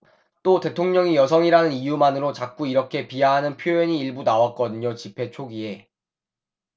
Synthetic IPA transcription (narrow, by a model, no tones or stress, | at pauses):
t͈ote̞tʰoŋɲʌŋijʌsʰʌŋiɾanɯnijumanɯɾot͡ɕak̚k͈uiɾʌkʰe̞piaɦanɯnpʰjoeɲiːɭbunawak͈ʌdɯɲot͡ɕipʰe̞t͡ɕʰoɡie̞